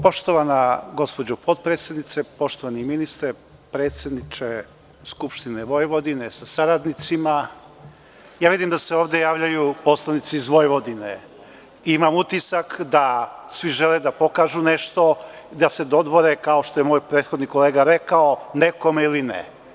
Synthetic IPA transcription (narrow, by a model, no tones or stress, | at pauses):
po̞ʃt̪o̞ʋanaɡo̞spod͡ʑopo̞t̪pɾet̪sje̞d̪nit̪se̞po̞ʃt̪oʋaniminist̪ɾa | pɾe̞ːt̪sʲjed̪nit͡ʃe | skupʃt̪ineʋo̞jʋo̞d̪inesasaɾad̪nit̪sima | jaːʋid̪imd̪aseoːʋd̪ejaːʋʎajupo̞slˠanit̪siːzʋo̞jʋo̞d̪ine | iimamut̪isakd̪asʋiʒeled̪apo̞kaːʒuneʃt̪o̞ | d̪ase̞d̪o̞d̪ʋo̞ɾekaoʃt̪o̞jemoːjpɾe̞ːt̪xo̞d̪niko̞leːɡaɾekaoneko̞meilinḛ